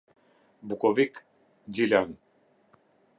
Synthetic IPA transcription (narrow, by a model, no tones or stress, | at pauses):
bukɔvik | d͡ʒilʲan